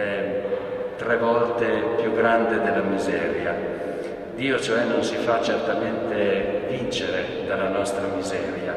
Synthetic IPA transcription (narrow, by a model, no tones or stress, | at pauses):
ɛ | t̪ɾɛvɔlt̪epjuɡɾand̪ed̪elːamizɛːɾja | d̪iːot͡ʃoɛnːonsifat͡ʃert̪ament̪evint͡ʃeɾe | d̪alːanɔst̪ɾamizɛːɾja